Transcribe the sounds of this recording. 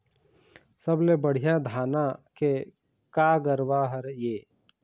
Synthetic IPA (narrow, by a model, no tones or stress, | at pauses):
səblebəɽ̤ijãd̪ʱaːnake | kaːɡəɾwaɦəɾjeː